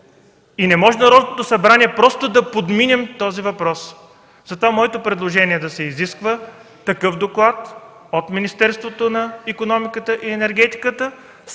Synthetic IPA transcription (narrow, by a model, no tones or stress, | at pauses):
inɛmɔʒɛnɐɾɔd̪not̪osɐbɾaniɛpɾɔst̪od̪ɐpod̪minɛmt̪ɔzivɐpɾɔs | zɐt̪ovamɔɛt̪opɾɛd̪lˠoʒɛniɛd̪ɐsɛiziskvə | t̪ɐkɤfd̪oklˠat̪ | ot̪minist̪ɛɾst̪vot̪onɐikonɔmikət̪əʔiɛnɛɾɡ̟ɛt̪i̥kət̪ə